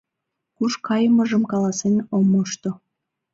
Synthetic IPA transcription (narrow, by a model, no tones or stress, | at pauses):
kuʃkɑjəməʒəmkɑlɑsenomoʃt̪o